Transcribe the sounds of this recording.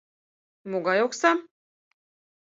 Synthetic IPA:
moɡɑjoksɑ

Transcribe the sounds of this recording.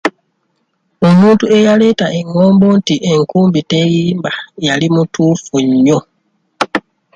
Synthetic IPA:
omuːntuejaletaʔeŋoːmbo̞ntiʔeŋkuːmbitejiːmbajalimutufuɲo

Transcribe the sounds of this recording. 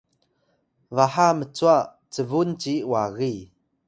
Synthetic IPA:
vaħamət͡sua | t͡səvunt͡ɕiwaɣi

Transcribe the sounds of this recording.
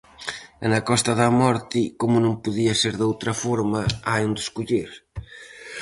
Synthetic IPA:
ɛnɐkɔst̪ɐðɐmɔɾt̪ikomʊnõmpuðiɐseɾðowt̪ɾɐfɔɾmɐajund̪ɪskuʎiɾ

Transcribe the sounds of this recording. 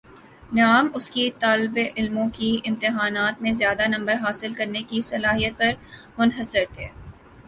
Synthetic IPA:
naːmʊskit̪aːlɪbeʔɪlmõkiɪ̃mt̪ɪɦaːnaːt̪mẽzjaːd̪anɐ̃mbəɾɦaːsɪlkɐɾnekisɐlaːɦijət̪̚pɐɾmʊnɦəsɪɾt̪ʰeː

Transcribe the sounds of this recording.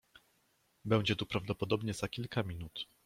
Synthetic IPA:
bɛw̃d͡ʑɛt̪upɾavd̪ɔpɔd̪ɔbɲɛzakʲilkamʲinut̪

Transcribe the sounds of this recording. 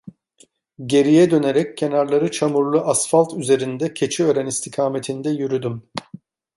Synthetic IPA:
ɟe̞ɾijɛd̪ø̞ne̞ɾɛccʰːe̞naɾlˠaɾɯt͡ʃʰamuɾlˠuʔasfalˠt̪yze̞ɾind̪ɛcʰe̞t͡ʃʰiøːɾænist̪ʰikʰaːme̞t̪ʰind̪ɛjyɾyd̪ym

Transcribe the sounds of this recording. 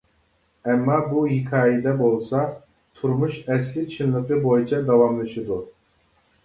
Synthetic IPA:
ɛmːɑbuɦikʰɑːjid̪ɛbolˠsɑ | t̪ʰuɾmuʃɛslɪt͡ʃʰɨnlˠɨqəbojit͡ʃʰɑd̪ɑwɑmlˠɨʃɨd̪u

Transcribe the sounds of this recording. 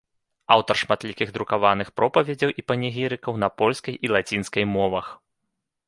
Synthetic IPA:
awt̪ɐrʂmat̪lʲikʲiɣd̪ɾukavanɨxpɾɔpɐvʲɛd͡zʲɐwʔipɐnʲɛɣʲiɾɨkɐwn̪ɐpɔlʲskɐjʔilˠat͡sʲinskɐjmɔvɐx

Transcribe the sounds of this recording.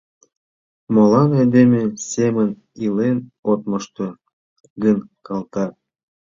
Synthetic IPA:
molɑned̪emesemən | ilenot̪məʃt̪o | ɡənkʰɑlt̪ɑ

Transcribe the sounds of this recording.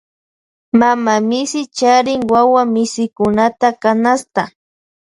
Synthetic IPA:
mamamɪsɪt͡ʃaɾɪŋwawamɪsɪkʊnat̪akanast̪a

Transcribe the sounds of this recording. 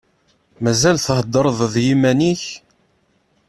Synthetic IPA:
mæzælθəhəd̪ːəɾˤðˤðjimæniç

